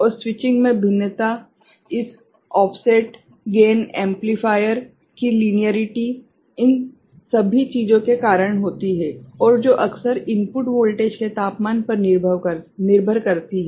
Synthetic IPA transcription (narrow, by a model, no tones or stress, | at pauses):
ɔːɾswɪt͡ʃɪ̃ŋɡmẽbʱɪnːət̪a | ɪs | ɔːpʰseːʈ | ɡeːnɛ̃ːmplifʰaːjəɾ | kiliːnijəɾɪʈi | ɪn | sɐbʱit͡ʃiːd͡ʒõkekaːɾəɽ̃ɦoːt̪iɦɛɔːɾd͡ʒoːʔɐksəɾɪ̃mpʊʈboːlʈeːd͡ʒket̪aːpmaːnpɐɾnɪɾbʱəʋnɪɾbʱəɾkɐɾt̪iɦɛː